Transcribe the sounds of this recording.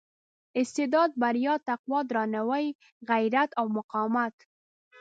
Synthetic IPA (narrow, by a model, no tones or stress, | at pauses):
ɪst̪ɪd̪ɑd̪̚baɾjɑt̪aqwɑd̪ɾɑnawəj | ɣajɾat̪awmʊqɑmat̪